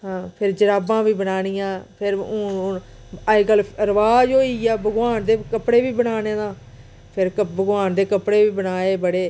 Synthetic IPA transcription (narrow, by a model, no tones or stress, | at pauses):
ɦãːpʰɪɾd͡ʒəɾaːbãːʋiːbənaːɽ̃ijãːpʰɪɾʊ | əiɡəlɾəʋaːd͡ʒoːiːaːbəɡʋaːnd̪eːkəpɽeːʋiːbənaːnẽːd̪ãː | pʰɪɾəbəɡʋaːnd̪eːkəpɽeːʋiːbənaːeːbəɽeː